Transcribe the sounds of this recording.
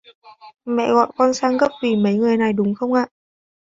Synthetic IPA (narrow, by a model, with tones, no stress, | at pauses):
mɛ̰˧˨ɣɔ̰˧˨jkɔ˧nsaː˧ŋɣə˦˥p̚vi˨˩mə˨˦jŋɨ˨˩əjna˨˩jɗʊ˨˦ŋ͡mxə˧wŋ͡mʔaː˧˨